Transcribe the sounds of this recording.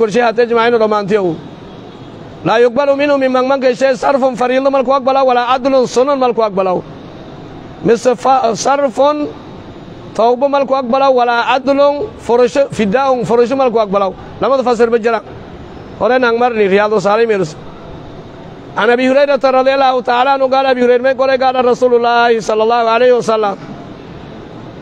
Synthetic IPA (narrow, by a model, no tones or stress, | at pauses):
kuɾʃ̬ehated͡ʒimajinodomant̬ijowu | lajok̚baluminumimaŋmaŋk̬eʃesaɾfonfaɾildəmalkuak̚balawwalaːduloŋsononmalkuak̚balau | misəfasaɾfon | towbəmalkuak̚balawwalaaduloŋfoɾʃifidauŋfoɾoʃ̬imalk̬uak̚balau | lamadafas̬iɾbəd͡ʒiɾaŋ | koɾenaŋmaɾniɾijalos̬alameɾis | anabihuɾadataɾad̪ialahutaalaanuɡadabihuɾedamekoɾeɡadaɾasululːahisɔlːalːahualehiwasalːam